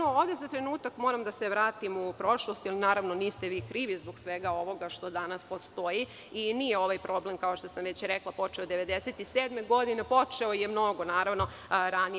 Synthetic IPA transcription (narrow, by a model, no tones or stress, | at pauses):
nooːʋd̪ezat̪ɾenuːt̪akmo̞ːɾamd̪aseʋɾaːt̪imupɾo̞ʃlost̪jalinaːɾaʋnoniːst̪eʋiːkɾiːʋizboɡsʋeɡao̞ʋo̞ɡaʃt̪o̞d̪anaspo̞st̪oji | iniːjeo̞ʋajpɾo̞blemkaoʃt̪osamʋet͡ɕɾeklˠapo̞t͡ʃeod̪e̞ʋe̞d̪eset̪iseːd̪meɡo̞d̪inepo̞t͡ʃeojemno̞ɡo̞naːɾaʋno̞ | ɾani